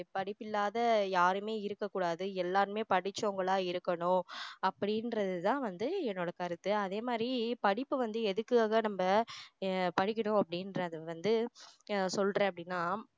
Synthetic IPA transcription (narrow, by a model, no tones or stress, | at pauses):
pɐɽɪpːɪlːaːðɐjaːɾɯmeːɪɾɯkːɐkːuːɽaːðɯɛlːaːɾɯmeːpɐɽɪt͡ʃːoŋɡɐɭaːɪɾɯkːɐɳʊ̃ɐpːɐɽɪnɾɐðɯt̪ãːʋɐnd̪ɯɛnːoːɽɐkɐɾɯt̪ːɯɐðeːmaːd̪ɾipɐɽɪpːɯʋɐnd̪ɯɛðɯkːɯaːɣɐnɐmbɐ | pɐɽɪkʲːɐɳʊ̃ɐpːɐɽɪnɾɐɐðɯʋɐnd̪ɯ | sɔlrẽːɐpɐɽɪnːaː